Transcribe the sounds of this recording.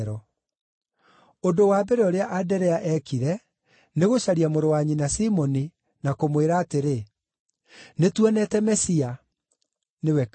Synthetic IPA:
ɾɔ | ondowaːbeɾeoɾeaʔadɛɾɛaʔɛkiɾɛ | neɣoɕaɾiamoɾowaɲinasimɔni | nakomweɾaːteɾe | netwɛnɛtɛmɛsia | newɛk

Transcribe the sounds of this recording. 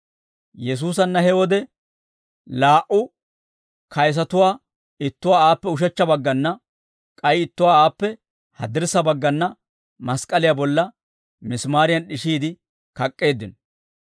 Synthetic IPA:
jɛs̬uːs̬ɐnːɐhɛwɔd̪ɛ | laːʔʊ | kɐjs̬ɐt̪ʊwaː | ɪt̪ːʊwaːaːpːɛʊʃ̬ɛt͡ʃːɐbɐɡːɐnːɐ | kʼɐjɪt̪ːʊwaːaːpːɛ | hɐd̪ɪɾsɐbɐɡːɐnːɐ | mɐskʼɐlɪjabɔlːɐ | mɪsmaːɾɪjɐnɗɪʃiːd̪ɪ | kɐkʼːe̞ːd̪ːɪnɔ

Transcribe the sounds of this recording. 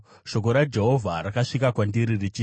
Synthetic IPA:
ʃo̞k̬o̞ɾad͡ʒe̞ɦo̞vʱaɾakaʂikakwandiɾirit͡ʃi

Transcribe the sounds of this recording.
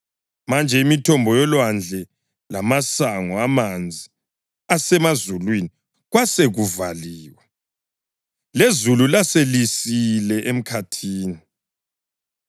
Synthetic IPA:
mand͡ʒʱɛimitʰɔmbʱɔjɔlwand͡ɮʱɛ | lamasaŋɔamand͡zʱi | asɛmazulwini | ɣwaseɣuvaliːwɛ | lezululaselisilɛʔem̩kʰatʰiːni

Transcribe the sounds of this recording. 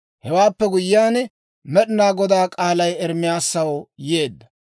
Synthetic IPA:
hɛwaːpːɛɡʊjɪjaːn | mɛɗɪnaːɡɔd̪aːkʼaːlɐjɛɾmːɪjaːsːɐwjeːd̪ːɐ̥

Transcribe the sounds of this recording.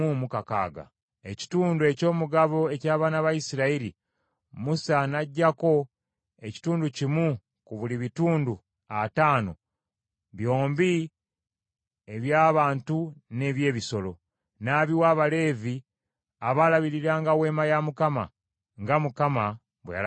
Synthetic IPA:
umukaka̰ːɡa̰ | e̞ci̥tuːndueco̞ːmuɡaβo̞e̞caːβaːnaβajisiɾaiɾi | musanaɟːako̞ | e̞ci̥tuːnducimu | kuβuliβituːndu | ataːno̞̰ | βjo̞ːmbi | e̞βjaːβaːntune̞βje̞ːβiso̞lo̞ | naːβiwaβale̞ːvi | aβalaβiɾiɾaːŋɡawe̞ːmajamukama̰ | ŋɡamukama | βweja̰

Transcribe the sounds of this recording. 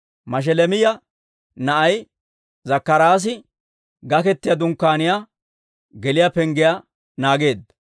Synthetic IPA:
mɐʃ̬ɛlɛmɪjɐ | nɐʔɐj | zɐkːɐɾaːs̬ɪ | ɡɐkɛt̪ːɪjɐd̪ʊŋkːaːnɪjaː | ɡɛlɪjapɛŋɡɪja | naːɡe̞ːd̪ːɐ

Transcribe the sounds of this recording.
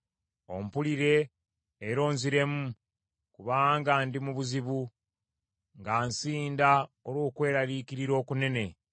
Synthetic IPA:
o̞̰mpuliɾe̞ː | ɾo̞ːnziɾe̞mu | kuβaːŋɡaːndimuβuziβu | ŋɡaːnsiːndaoɾwo̞ːkwe̞ːɾaɾiːkiɾiɾo̞ːkune̞ne̞

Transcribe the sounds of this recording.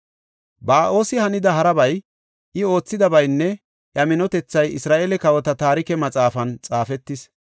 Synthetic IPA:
baːʔo̞ːsɪhɐnɪd̪ɐɦɐɾɐbɐj | ʔɪo̞ːt͡sːɪd̪ɐbɐjnːɛ | ʔjɐmɪnɔt̪ɛt͡sːɐjɪsɾaːʔeːlɛkɐwɔt̪ɐt̪aːɾɪkɛmɐt͡sʼaːfɐnt͡sʼaːfɛt̪ːɪs

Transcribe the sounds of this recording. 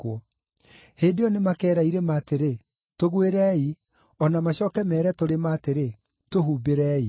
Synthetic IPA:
ɔ | heːdeɔnemakɛːɾaiɾemaːteɾe | toɣweɾɛːi | ɔnamaɕɔːkɛmɛːɾɛtoɾemaːteɾe | toɦuːbeɾɛːi

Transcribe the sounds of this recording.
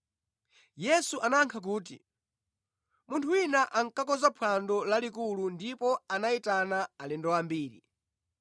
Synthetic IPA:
jɛsuʔanaŋkʰak̬uːt̬ḭ | muntʰuinaʔaŋkakɔzapʰwandɔlalikulundipɔanaitanaalɛndɔwambiːɾḭ

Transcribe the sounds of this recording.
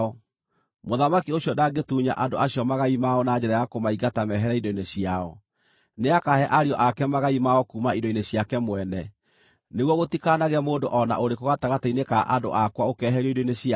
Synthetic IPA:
ɔ | moðamakioɕjɔdaɡetuːɲa̰ʔadoʔaɕjɔmaɣaimaɔnaɲd͡ʑɛɾajakomaiɣatamɛɦɛɾaidoineɕjiaɔ | neakahɛʔaɾiɔʔakɛmaɣaimaɔkumaidoineɕjakɛmwɛnɛ | neɣwɔɣotikanaɣɛmoːdoʔɔna̰ʔoɾekoɣataɣatainekaʔado̰ʔakwaokɛɦɛɾɛidoineɕa

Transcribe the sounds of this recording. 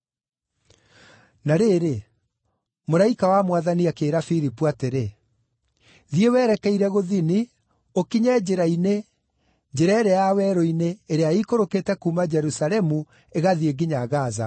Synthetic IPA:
naɾeɾe | moɾaikawamwaðaniakeːɾafiɾipuateɾe | ðiewɛːɾɛkɛiɾɛɣoðini | okiɲɛd͡ʒeɾaine | d͡ʒeɾaeɾejawɛɾɔineːɾeaikoɾoketɛkumad͡ʒɛɾusalɛmu | eɣaðieɡiɲaɣaza̰

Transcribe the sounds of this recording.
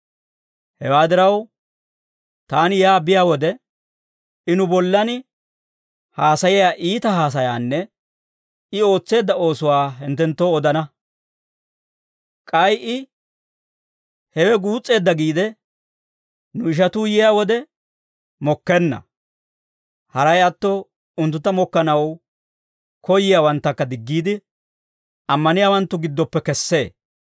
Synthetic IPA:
hɛwaːd̪ɪɾɐw | t̪aːnɪjaːbɪjaːwɔd̪ɛ | ɪnʊbɔlːɐn | haːsɐjɛjaːʔiːt̪ɐɦaːs̬ɐjaːnːɛ | ɪo̞ːt͡sːe̞ːd̪ːɐo̞ːsʊwaːɦɛnt̪ːɛnt̪ːowɔd̪ɐnɐ | kʼɐjʔɪ | hɛwɛɡuːt͡sʼːe̞ːd̪ːɐɡiːd̪ɛ | nʊɪʃ̬ɐt̪uːjɪjaːwɔd̪ɛ | mɔkːɛnːɐ̰ | hɐɾɐjɐt̪ːɔ | ʊnt̪ːʊt̪ːɐmɔkːɐnɐw | kʰɔjɪjaːwɐnt̪ːɐkːɐd̪ɪɡːiːd̪ɪ | ɐmːɐnɪjaːwɐnt̪ːʊɡɪd̪ːɔpːɛkɛsːe̞ː

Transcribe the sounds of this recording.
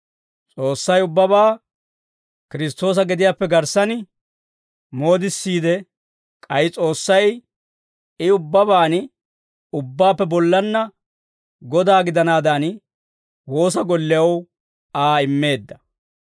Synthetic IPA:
t͡sʼo̞ːsːɐjʊbːɐbaː | kɪɾɪs̬t̪o̞ːs̬ɐɡɛd̪ɪjaːpːɛɡɐɾsɐn | mo̞ːd̪ɪsːiːd̪ɛ | kʼɐjɪt͡sʼo̞ːsːɐj | ɪʊbːɐbaːn | ʊbːaːpːɛbɔlːɐnːɐ | ɡɔd̪aːɡɪd̪ɐnaːd̪an | wo̞ːs̬ɐɡɔlːɪjɐw | aːɪmːe̞ːd̪ːɐ

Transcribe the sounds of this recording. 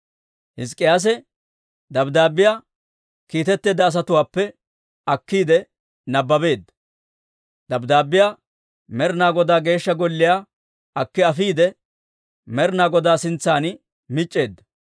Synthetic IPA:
hɪs̬kʼːɪjaːs̬ɛ | d̪ɐbd̪aːbːɪjaː | kiːt̪ɛt̪ːe̞ːd̪ːɐːs̬ɐt̪ʊwaːpːɛ | ɐkːiːd̪ɛ | nɐbːɐbe̞ːd̪ːɐ̥ | d̪ɐbd̪aːbɪjaː | mɛɾnaːɡɔd̪aːɡe̞ːʃːɐɡɔlːɪjaː | ɐkːɪɐfiːd̪ɛ | mɛɾnaːɡɔd̪aːsɪnt͡sːaːn | mɪt͡ʃʼːe̞ːd̪ːɐ

